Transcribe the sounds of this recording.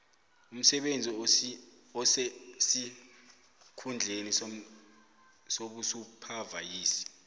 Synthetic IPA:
um̩sɛɓend͡zʱi | ɔsɛsi | kʰund͡ɮʱenis | soɓusupʰavajiːsi̥

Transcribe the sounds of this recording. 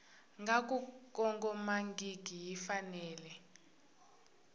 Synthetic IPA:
ŋɡʱak̬ʼukʼɔŋɡʼɔmaŋɡiɡʱijifanɛːlɛ

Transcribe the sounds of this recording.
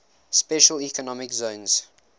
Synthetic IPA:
spɛʃəlikɔnɔmɪkzõʊ̃nz̥

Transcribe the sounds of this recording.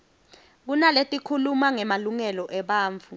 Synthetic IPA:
k̬unaletʼikʰulumaŋɛmaluŋɛlɔʔɛɓaːɱfu

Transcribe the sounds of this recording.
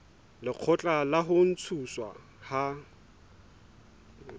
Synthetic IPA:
lɪq͡χʰɔt͡ɬʼalaɦʊn̩t͡sʰuswa̰ | ha

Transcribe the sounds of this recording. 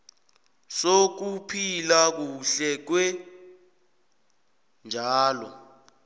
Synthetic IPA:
sok̬upʰilak̬uɬɛk̬wɛ | nd͡ʒʱaːlɔ̰

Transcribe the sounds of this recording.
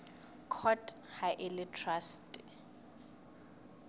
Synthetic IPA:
kʰɔt | hajʔɪlɪtʰrastʼɪ

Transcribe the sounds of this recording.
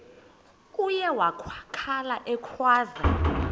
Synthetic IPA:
ujɛwakʰwakʰalaʔɛkʰwaːza

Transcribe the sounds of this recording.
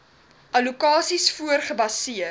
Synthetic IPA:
ʔɐlukɑːsisfuərχəbɐsiə

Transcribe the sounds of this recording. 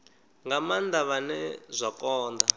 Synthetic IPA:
ŋɡamand̪aβanɛzʷakɔːnd̪a

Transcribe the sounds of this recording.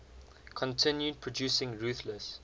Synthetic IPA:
kʰɔ̃ntʰɪ̃njud̚pʰɹɔdjuːsɪ̃ŋɹuːˑθləs

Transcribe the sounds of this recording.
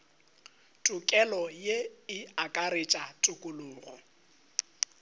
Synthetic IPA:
tʼʊkʼɛlɔjeɪakʼaɾet͡ʃʼatʼʊkʼʊlʊŋ̩ːɣɔ̰

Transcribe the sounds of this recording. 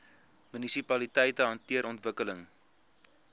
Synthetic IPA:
mynisipɐlitɛjtəɦɐntiəɾɔntvəkələŋ

